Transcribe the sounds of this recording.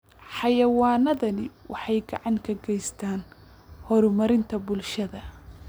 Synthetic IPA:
ħɑjɐwaːnɐðɐnɪwʔɑħɑjɡɐʕɑŋkʰɐɡɛjst̪ʰaːn | hɔɾʊmɐɾɪnt̪ʰɐbʊlʃɐðɐ

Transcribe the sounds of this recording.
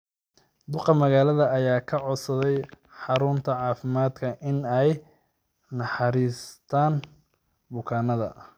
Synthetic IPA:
d̪ʊqɑmɐɣaːlɐðɐːjaːkʰɐʕɔsɐðɛj | ħɑɾʊnt̪ʰɐʕɑːfɪmaːd̪kʰɐʔɪnɛj | nɐħɑɾiːst̪ʰaːn | bʊkʰaːnɐðɐ̰

